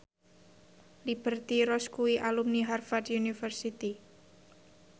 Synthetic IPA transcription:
lib̥ərt̪iɾɔskuiʔalumniɦarfatjunifərsit̪i

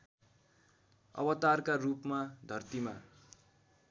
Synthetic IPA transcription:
ʌ̰bʌt̪arkarupmad̪ʱʌrt̪ima

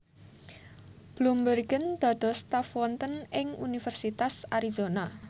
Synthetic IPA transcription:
b̥lumbərɡənd̪̥a̤d̪̥ɔ̤st̪afwɔnt̪ənɪŋṵnifɛrsit̪asaɾizona

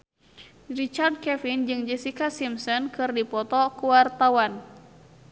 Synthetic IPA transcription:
rit͡ʃard̚kɛfind͡ʒɨŋd͡ʒəsikasimsɔnkɨrdipɔt̪ɔkuwart̪awan

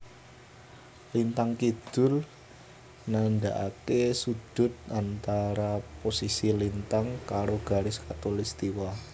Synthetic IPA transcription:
lint̪aŋkid̪̥ʊ̤l | nandaʔakesud̥ʊ̤t̪̚ant̪aɾaposisilint̪aŋkaɾoɡ̥a̤ɾɪskat̪olɪst̪iwa

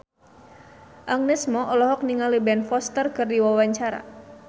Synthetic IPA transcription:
ʔaŋnɛsmɔʔɔlɔɦɔk̚niŋalibɛnfɔst̪ərkɨrdiwawaɲt͡ʃaɾa̰

